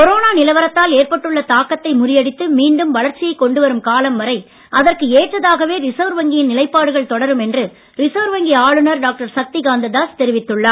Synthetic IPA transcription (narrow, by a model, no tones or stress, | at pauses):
kɔɾoːnaːnɪlɐʋɐɾɐt̪ːaːleːrpɐʈːɯɭːɐt̪aːkːɐt̪ːɐɪmʊrɪjɐɽɪt̪ːɯmiːɳɖɯmʋɐɭɐɾt͡ʃːɪjɐɪkːɔɳɖɯʋɐɾɯmkaːlɐmʋɐɾɐɪ | ʔɐðɐrkɯeːʈrɐðaːɣɐʋeːɾɪsoːɾʋɐŋɡɪjɪnnɪlɐɪpːaːɽɯɣɐɭt̪ɔɽɐɾɯmɛndrɯ | ɾɪsoːɾʋɐŋɡɪjaːɭɯnɐɾɖaːk̚ʈɐɾsɐk̚t̪ɪɡaːnd̪ɐd̪aːst̪ɛɾɪʋɪt̪ːɯɭːaː